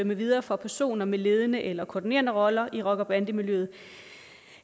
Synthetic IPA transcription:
øməʋið̞ˠɐːfɒ̽pʰæɐso̝̰ːnɐmele̝ːð̞ˠənəʔelɐkʰɒ̰ːdine̝̰ɐnəʁɒ̽lɐʔiʁɒ̽ɡ̥ɐb̥ænd̥əmiljøð̩ˠ

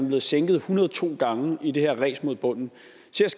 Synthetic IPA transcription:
nb̥le̝ːð̩ˠseŋɡ̥ð̩ˠhunɐð̩ˠt͡sʰo̝̰ːɡ̥ɑ̈ŋəide̝hæɐʁɛ̰ːsmo̝ðˠb̥ɔ̽n̰n̩ | se̝ɐ̰s

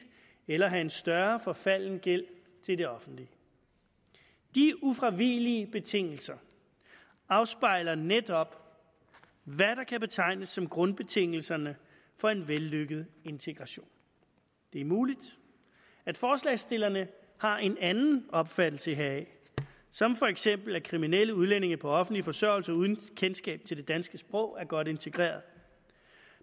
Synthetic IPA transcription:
elɐɦæe̝nsd̥ɶɐfɒ̽fæl̰n̩ɡ̥el̰ | t͡sʰe̝ld̥e̝ɒ̽fn̩d̥li | d̥iufʁɑ̈ʋiliəb̥e̝t͡sʰe̝ŋ̰l̩sɐ | ɑ̈ʊsb̥ɑ̈ɪ̰lɐned̥ɒ̽b̥ | ʋæɾ̥ɑ̈kʰæb̥e̝t͡sʰɑ̈ɪ̰nəsːɒ̽mɡ̥ʁɔ̽nb̥e̝t͡sʰe̝ŋ̰l̩sɐnə | fɒ̽e̝nʋelːøɡ̥əð̩ˠe̝nt͡sʰe̝ɡ̥ʁɑ̈ɕo̝̰ːn | d̥e̝æɐmuːlid̥ | æd̥fɒːslɛɪsd̥e̝lɐnə | hɑ̈e̝nænn̩ɒ̽b̥fæd̥l̩səiɦɛɪ | sɒ̽mfɒ̽eɡ̥sem̰b̥l̩ækʰʁiminel̰əuðˠlene̝ŋɐpʰɒ̽ɒ̽fn̩d̥lifɒ̽sɶɐʊlsɐuð̞ˠn̩kʰensɡ̥ɛ̰ːb̥̚t͡sʰe̝ld̥e̝d̥ænsɡ̥əsb̥ʁɔ̽ʊ̰æɐɡ̥ɒ̽d̥e̝nt͡sʰe̝ɡ̥ʁḛːɐðˠ

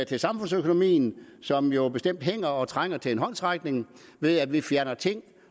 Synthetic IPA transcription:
t͡sʰe̝lsɑ̈mfɔ̽nsøkʰo̝no̝mḭːn̩sɒ̽mjo̝b̥e̝sd̥em̰d̥̚ɦeŋ̰ɐɒ̽t͡sʰʁaŋ̰ɐt͡sʰe̝enɦɒ̽n̰sʁaɡ̥ne̝ŋ | ʋe̝ðˠæʋifjæɐnɐt͡sʰe̝ŋ̰

